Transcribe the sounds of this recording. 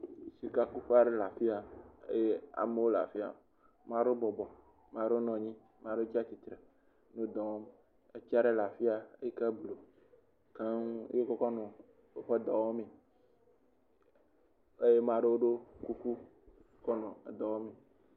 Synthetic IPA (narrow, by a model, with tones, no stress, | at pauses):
si˨ka˦ku˦ɸa˦ɖe˦la˨fi˦a˨ḛ˦je˦a̰˨me˦wo˦la̰˨fi˦a̰˨ | mã˦ɖo˦bɔ˨bɔ˨ | mã˨ɖe˦o˦nɔ̃˨ɲĩ˦ | m˦ã˨ɖe˦o˦t͡ɕi˦a˦t͡ɕi˨t̪ɾe˨ | nõ˦d̪ɔ˨wɔ˦m | e˦t͡ʃi˦a˦ɖe˦la˨fi˦a˨e˦e˦ka˦blo˨ | ka˦ŋ˦e˦kɔ˦kɔ˦nɔ̃˨ | o˦ɸɛ˦d̪ɔ˨wɔ˦mẽ˨ | e˦je˦mã˨ɖe˦wo˦ɖo˦ku˦ku˦ | kɔ˦nɔ̃˨d̪ɔ˨wɔ˦me˨